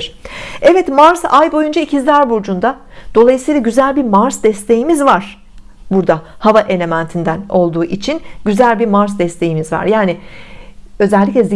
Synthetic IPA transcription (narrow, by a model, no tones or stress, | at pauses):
ɾ̥ɛvɛt̪maɾzajbo̞jund͡ʒaicʰizd̪aɾbuɾd͡ʒund̪ad̪̥o̞lˠajɯsɯjlˠaɟyzælʲbiɾmaɾsd̪ɛst̪ʰe̞jimizvaɾ̥ | buɾd̪ahavaʔe̞le̞mænt̪ʰind̪æno̞lˠd̪uːʔit͡ʃʰinɟyzælʲbiɾmaɾzd̪ɛst̪ʰe̞jimizva̰ɾjaːni | ø̞zɛlʲːicʲlʲɛzi